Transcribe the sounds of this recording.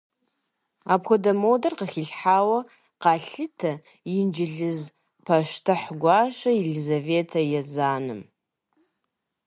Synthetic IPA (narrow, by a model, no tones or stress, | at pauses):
apʰxʷadamodarqaχʲiɮħawa | qaɬɨtʰa | ind͡ʒɪɮɨz | pʰaʃtʰaħɡʷaʃaelizave̞tʰajazanɨ̰m